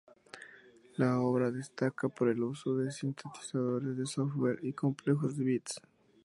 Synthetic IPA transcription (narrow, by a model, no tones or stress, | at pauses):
lao̞βɾaðe̞st̪akapo̞ɾe̞luso̞ðe̞sint̪ʰet̪i̥saðo̞ɾe̞zðe̞sofwe̞ɾiko̞mple̞xo̞zðeβit̪s